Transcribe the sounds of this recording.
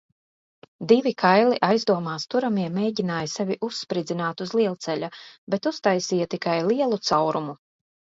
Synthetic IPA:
d̪ivʲikʰajlˠiʔajzd̪uɔmaːst̪uɾamiɛmeːɟinaːjsɛvʲiʔusːpɾid̪zinaːt̪uzlˠiɛlˠt̪sɛʎʲabɛt̪ust̪ajsiːjat̪ikajlˠiɛlˠut̪sawɾumu

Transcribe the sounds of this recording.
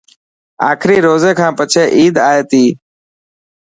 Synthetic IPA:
aːkʰɾiːɾoːzeːkʰãːpət͡ʃʰeːʔiːd̪aːɦeːt̪iː

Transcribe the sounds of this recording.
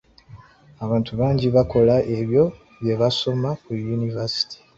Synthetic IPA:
aβaːntuβaːɲɟiβako̞laʔe̞βjo̞ | βje̞βaso̞makujunivasi̥tʰi̥

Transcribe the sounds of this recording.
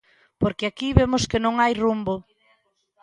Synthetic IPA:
poɾkɪakiβemʊskɪnõŋajrumbo

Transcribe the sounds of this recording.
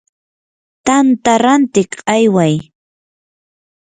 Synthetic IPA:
t̪ant̪aɾant̪ɪkajwaj

